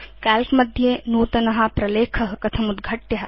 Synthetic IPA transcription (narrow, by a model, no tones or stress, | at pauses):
kaːlkmɐd̪ʱjeːnuːt̪ɐnɐɦɐ̆pɾɐleːkʰɐɦɐ̆kɐt̪ʰɐmud̪ɡʱɐʈjɐɦɐ